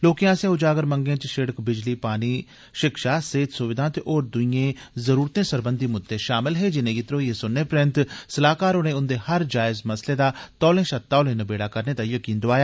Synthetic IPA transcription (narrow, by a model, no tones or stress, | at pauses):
loːkijãːsẽːʊd͡ʒaːɡəɾməŋɡẽːt͡ʃʃeɽəkbɪd͡ʒliːpaːniː | ʃɪkʃaːseːt̪sʊʋɪd̪ʱãːt̪eʔoːɾd̪ʊijẽːzəɾuːɾt̪ẽːsəɾbənd̪iːmʊd̪ːeːʃaːmɪlɦeːd͡ʒɪnẽːɡiːt̪ɾoːiẽːsʊnːeːpɾɪ̃nt̪səlaːkaːɾonẽːʊnd̪eːhəɾd͡ʒaːɪzməsleːd̪aːt̪ɔːlẽːʃət̪ːaːlẽːnəbeːɽaːkəɾneːt̪aːjəkiːnd̪ʊaːjaː